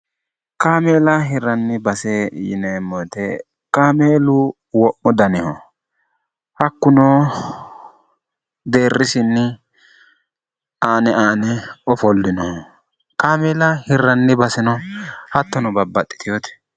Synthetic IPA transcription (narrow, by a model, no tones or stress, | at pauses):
kaːmeːlɐɦɪɾɐnːɪbɐsɛjɪ̰nemːɔt̪ɛ | kaːmeːlʊ | wɔʔːʊd̪ɐnɪhɔ | hɐkːʊnoː | d̪e̞ːrːɪsɪnːɪ | aːnɛaːnɛɔfɔlːɪnɔhɔ | kaːmeːlɐhɪrːɐnːɪbɐsɪnɔhɐt̪ːɔnɔbɐbːɐt̪ʼːɪ̥t̪ɪjot̪ɛ̥